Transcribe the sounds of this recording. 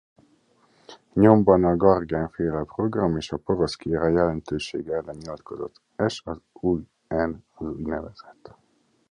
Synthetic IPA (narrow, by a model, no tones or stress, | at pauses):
ɲo̞mbɒnɒɡɒrɡaːnfeːlɛpro̞ɡrɒmeːʃɒpo̞ɾo̞skiɾɒjɛlɛnt̪øːʃḛːɡɛlːɛnːilɒt̪ko̞zo̞̰t̪ːɛʃɒzuːj | ɛnɒzuːjnɛvɛz̥ɛt̪ː